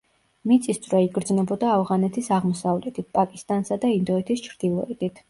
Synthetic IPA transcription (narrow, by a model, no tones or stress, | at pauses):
mit̪sʼist̪sʼvɾɛiɡɾd̪znɛbɔd̪aːvʁanɛt̪ʰisaʁmɔsavlɛt̪ʰit̪̚pʼakʼist̪ʼansad̪aind̪ɔɛt̪ʰist͡ʃʰɾd̪ilˠɔɛt̪it̪ʰ